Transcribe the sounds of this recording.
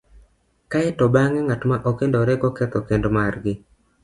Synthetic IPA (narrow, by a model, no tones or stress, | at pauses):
kaɛtɔbaŋɛŋatmaʔokendoɾɛɡɔkɛt̪ɔkendomarɡɪ